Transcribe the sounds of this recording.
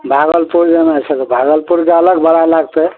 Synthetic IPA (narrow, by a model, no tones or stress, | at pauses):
bʱaɡəlpuɾd͡ʒənat͡ʃʰet̪ɔbʱaɡəlpuɾkeələɡbəɽalaɡt̪e